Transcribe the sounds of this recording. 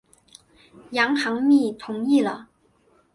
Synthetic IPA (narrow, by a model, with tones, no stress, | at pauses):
jɑ˧˥ŋxɑ˧˥ŋmi˥˩t̪ʰʊ˧˥ŋi˥˩lə̰˩